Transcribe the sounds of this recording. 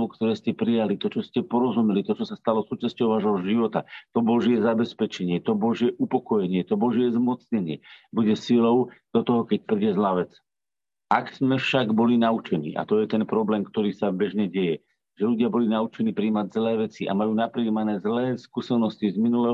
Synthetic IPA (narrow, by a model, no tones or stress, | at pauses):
ɔkt̪ɔɾɛːscɛpɾijalit̪ɔt͡ʃɔscɛpɔɾɔzumɛlit̪ɔt͡ʃɔsast̪alɔsuːt͡ʃascɔʊʋaːʒɦɔʒiʋɔt̪at̪ɔbɔʒɪɛzabɛspɛt͡ʃɛɲɪɛt̪ɔbɔʒɪɛʔupɔkɔjɛɲɪɛt̪ɔbɔʒɪɛzmɔt͡sɲɛɲɪɛ̰buɟɛsilɔʊd̪̥ɔt̪ɔɦɔkɛc̚pɾiɟɛzlaʋɛt͡s | ʔakz̥mɛfʃaɡbɔlinaut͡ʃɛnḭːʔa̰t̪ɔjɛt̪ɛnpɾɔblɛːmkt̪ɔɾiːsabɛʒɲɛɟɛjɛ | ʒ̥ɛʎuɟɪabɔlinaut͡ʃɛniːpɾiːmaɟzlɛːʋɛt͡siʔa̰majuːnapɾiːmanɛːzlɛːskusɛnɔscizminulɛ